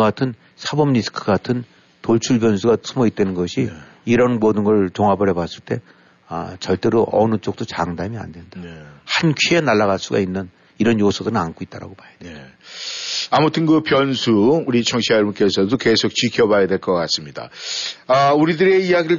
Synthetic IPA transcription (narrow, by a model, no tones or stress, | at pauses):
ɡatʰɯn | sʰabʌmɲisʰɯ̥kʰɯ̥katʰɯn | toɭt͡ɕʰuɭbjʌnsʰuɡasʰumʌit̚t͈enɯnɡʌɕʰi | iɾʌnmuʌdɯnɡʌɭt͡ɕoŋabʌɾebas͈ɯɭt͈e̞ | ʌ̰t͡ɕʌɭt͈e̞ɾoʔʌ̰nɯt͡ɕ͈ok̚t͈ot͡ɕaŋdamia̰ndwe̞ndahankʰienaɭːaɣas͈uɡa̰inːɯn | iɾʌnjosʰʌdɯɾɯnankʰoit̚t͈aɾa̰ɡomajadwe | amutʰɯnkɯpjʌnsʰuuɾit͡ɕʰʌŋɕʰiajʌɭbunk͈e̞sʰʌdokesʰok̚t͡ɕikʰjʌbajadwe̞ɭk͈ʌk͈as͈ɯmɲida̰ʌuɾidɯɾe̞iaɡiɯɭ